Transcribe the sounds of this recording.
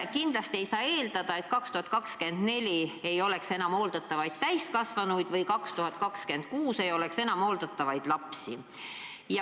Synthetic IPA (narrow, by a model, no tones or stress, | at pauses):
kind̪̥lɑst̪ie̞jsɑːe̞ːld̪ɑd̪̥ɑe̞t̪kɑkst̪uhɑt̪kɑkske̞nd̪̥ne̞lʲie̞jo̞le̞kse̞nɑmo̞ːld̪ɑt̪ːˑɑvɑjd̪̥̚t̪æjst̪kɑsvɑnujd̪vɤjkɑkst̪uhɑt̪̚ˑkɑkske̞nd̪̥kuːse̞jo̞le̞kse̞nɑmo̞ːld̪ɑt̪ːˑɑvɑjd̪̥lɑpsi | jɑ